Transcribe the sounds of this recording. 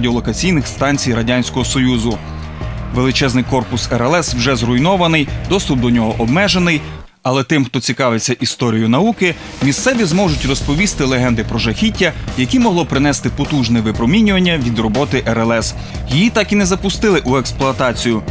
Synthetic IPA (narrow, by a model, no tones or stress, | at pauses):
dʲiɔlˠɔkɐt͡sʲijnɪxst̪ɑnʲt͡sʲijrɐdʲɑnʲsʲkɔɦɔsɔjuzʊ | ʋelˠɪt͡ʃɛznɪjkɔrpʊsɛɾɛlˠɛswʒɛzrʊjnɔʋɐnɪjd̪ɔst̪ʊp̚d̪ɔnʲɔɦɔʔɔbmɛʒenɪj | ɐlˠɛt̪ɪmxt̪ɔt͡sʲikɑʋet͡sʲːɐʔist̪ɔɾʲijʊnɐukɪ | mʲist̪sɛʋʲizmɔʒʊtʲrɔspɔʋʲist̪ɪlˠeɦɛnd̪ɪpɾɔʒɐxʲitʲːɐjɐkʲimɔɦlˠɔpɾɪnɛst̪ɪpɔt̪uʒnɛʋɪpɾɔmʲinʲʊʋɐnʲːɐʋʲid̪rɔbɔt̪ɪʔɛɾɛlˠɛs | jijit̪ɑkinɛzɐpʊst̪ɪlˠɪʔueksplˠʊɐt̪ɑt͡sʲijʊ